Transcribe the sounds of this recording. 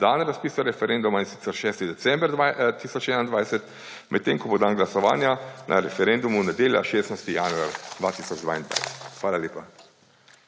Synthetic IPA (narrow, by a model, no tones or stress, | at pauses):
d̪aːnɾaspiːsaɾɛfɛɾɛnd̪umainsi̥t̪sɛɾʃɛːst̪id̪ɛt̪sɛmbɾat̪isɔt͡ʃɛnand̪ʋajsɛt̪ | mʔɛt̪ːeŋkɔbod̪aːnɡlasɔʋa̰ːnjanʔa̰ɾɛfɛɾɛnd̪umunad̪eːlja̰ʃeːsnajst̪ijanua̰ɾd̪ʋat̪isɔd͡ʒd̪a̰ːind̪ʋa̰jsɛ̥t̪xʋaːlaljeːpa